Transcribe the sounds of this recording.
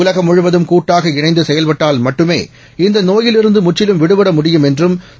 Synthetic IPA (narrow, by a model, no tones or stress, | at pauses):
ʊlɐɣɐmʊɻʊʋɐðɯmkuːʈːaːɣɐɪnɳɐɪd̪ɯsɛjɐlpɐʈːaːlmɐʈːɯmḛː | ɪnd̪ɐnoːjɪlɪɾɯnd̪ɯmʊt͡ʃːɪlɯmʋɪɽɯʋɐɽɐmʊɽɪjɯmɛndrɯm